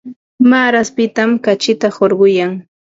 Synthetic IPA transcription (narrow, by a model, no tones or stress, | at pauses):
maːɾaspɪt̪amkat͡ʃɪt̪ahoɾɢʊjaŋ